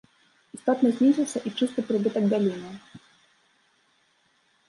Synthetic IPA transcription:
ist̪ɔt̪nɐzʲnʲizʲɨsɐʔit͡ʂɨst̪ɨpɾɨbɨt̪ɐɡ̚bʲalʲinɨ

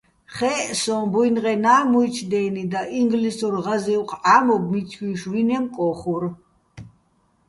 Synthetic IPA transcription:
χɛːsɔ̃bujnʁɛnaːmuit͡ʃʰd̪ɛːnid̪aʔiŋɡlisɔɾʁaziwqʼaːmɔbmit̪t͡sʰwiʃwinɛmkʼɔχuɾ

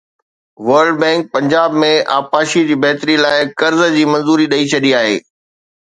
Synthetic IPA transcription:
ʋɐɾɖbɛ̃ːŋk̚pɐ̃ɲd͡ʑaːbmẽʔa̰ːpaːʃid͡ʑiːbɐɦt̪ɾilaːɪkɐɾzd͡ʑiːmɐ̃nzuːɾiɗɐit͡ɕʰɐɗiaːɦḛː

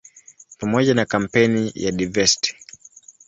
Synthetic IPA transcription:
pamɔʄanakam̩pɛnija̰ɗavɛsi̥ti̥

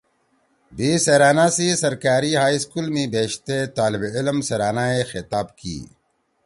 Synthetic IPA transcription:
biːseɾaːnasisɐɾkaːɾiɦaːiskuːlmĩbeːʃt̪et̪aːlibɪlmseɾaːnaexɪt̪aːbkḭː

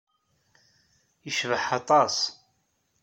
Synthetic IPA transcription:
jəʃvəħɑt̪ˤɑs

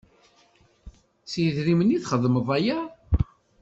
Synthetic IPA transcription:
siðɾiməniθχəðˤːməðˤæjæ

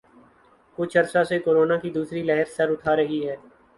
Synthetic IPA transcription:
kʊt͡ʃʰɐɾsasekoːɾoːnakid̪uːsɾilɛɦəɾsɐɾʊtʰaɾəɦiɦɛː

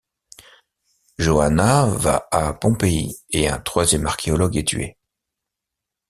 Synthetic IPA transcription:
ʒoanava̰apɔ̃peieɛ̃t̪χwazjɛmaʁkʲʰeɔlɔɡɛt̪ɥḛ

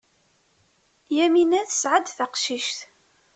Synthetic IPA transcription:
jæminæðəsʕad̪θaqʃiʃθ

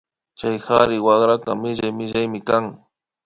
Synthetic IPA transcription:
t͡ʃajxaɾɪwaɣɾakamɪʒajmɪʒajmɪkaŋ

